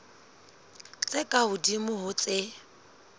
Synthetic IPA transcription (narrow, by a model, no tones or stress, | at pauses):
t͡sʼɪkʼaʊdimʊɦʊt͡sʼɪ